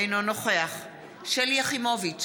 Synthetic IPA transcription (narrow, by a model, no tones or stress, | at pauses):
jnono̞χeaχ | ʃeljaχimovit͡s